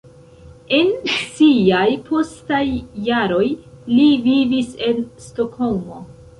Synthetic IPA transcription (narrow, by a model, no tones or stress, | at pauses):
e̞nsiajpʰo̞stajːaɾo̞jlivivise̞nsto̞kho̞lmo̞